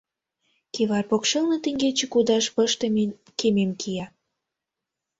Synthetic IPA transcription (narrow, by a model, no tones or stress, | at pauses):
keβɑrpokʃelnɤ̆t̪ĕŋɡet͡ɕĕkud̪ɑʃpəʃt̪əm | kememkʰijɑ